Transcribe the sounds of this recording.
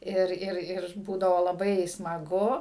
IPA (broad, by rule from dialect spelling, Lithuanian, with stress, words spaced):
ˈɪr ɪr ɪr ˈbuːdɐʋoː lˠɐˈbɐɪ smɐˈɡʊ